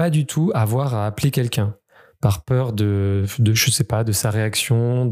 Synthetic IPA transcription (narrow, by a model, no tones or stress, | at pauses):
ad̪yt̪ʰuavwaʁaːplekʲɛlkʲɛ̃ | paʁpœʁd̪əd̪əʒəsɛpad̪əsaʁeaksjɔ̃d̪